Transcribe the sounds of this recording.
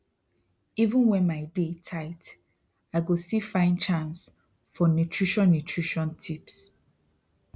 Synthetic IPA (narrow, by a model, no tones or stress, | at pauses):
ivũnwɛ̃nmaɪdetʰaɪt | aɪɡostifãɪ̃ndt͡ʃãns | fɔnutʰɹiʃɔ̃nːutʰɹiʃɔ̃ntʰips